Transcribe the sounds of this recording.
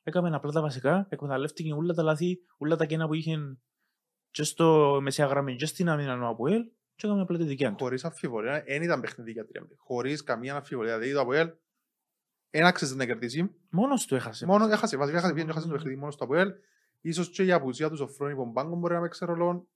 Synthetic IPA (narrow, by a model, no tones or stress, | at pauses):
ekɐmenɐplɐt̪ɐvɐs̬ikɐekmet̪ɐleft̪iceulːɐt̪ɐlaθi | ulːɐt̪ɐcenɐpuiçen | t͡ʃest̪omesiɐɣɾɐmeɲd͡ʒest̪inɐminanoɐpuel | t͡ʃeekamenɐplɐt̪iðiciɐnxuoɾisɐfːivoliaʔenit̪ɐmbexniðicɐt̪ːɾiɐ̰mixo̞ɾiskamiɐnɐfːivoliɐðeit̪oapoel | enaksezd̪enɐceɾðis̬im | monost̪uexɐsemonoexɐsevɐs̬ikaeɐs̬epied͡ʒoexas̬nt̪peniðimonost̪ɔapuel | isost͡ʃeiapus̬iɐt̪usofɾonipombaŋɡomboɾinɐpekseɾolon